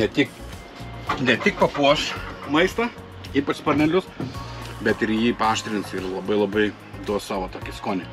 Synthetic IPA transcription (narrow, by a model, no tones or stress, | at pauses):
nʲɛt̪ʲɪk | nʲɛt̪ʲɪk̚pɐpuɔʃmɐɪst̪ɐ | iːpɐt͡ʃspɐrʲnʲɛlʲʊs | bʲɛt̪ɪɾjiːpɑːʃʲt̪ʲɾʲɪnsɪrlˠɐbɐɪlˠɐbɐɪ | d̪uɔsɑːʋoːt̪oːkʲɪskoːnʲɛ